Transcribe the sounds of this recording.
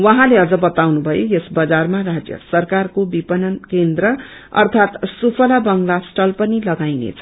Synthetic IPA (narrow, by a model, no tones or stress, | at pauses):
wʌɦãleʌd͡zʌbʌt̪awnubʱʌjojesbʌd͡zarmarad͡zjʌ̰sʌrkarkobipʌnʌnkend̪rʌ | ʌ̰rt̪ʰat̪supʰʌlabʌŋlasʈʌlpʌnilʌɡajnḛt͡sʰʌ